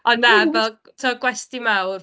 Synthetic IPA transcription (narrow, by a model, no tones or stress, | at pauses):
ɔnːavɛlˠ | tʰɔɡwɛstimawr